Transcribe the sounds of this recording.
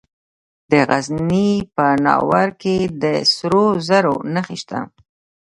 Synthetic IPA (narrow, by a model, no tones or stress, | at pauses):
d̪əɣaznnipənɑ̰waɾked̪əsɾozaɾonaxeʃt̪a̰